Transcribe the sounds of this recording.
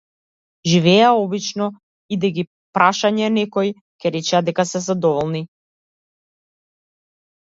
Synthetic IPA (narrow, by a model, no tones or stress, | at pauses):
ʒivɛaɔbit͡ʃnɔ | id̪ɛɡi | pɾʔaʃaɲɛnɛkɔj | kɛɾɛt͡ʃɛad̪ɛkasɛzad̪ɔvɔlˠni